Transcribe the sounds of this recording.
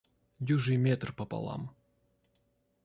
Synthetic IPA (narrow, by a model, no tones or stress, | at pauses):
juʐɨjmʲet̪rpɐpɐ̰lˠa̰m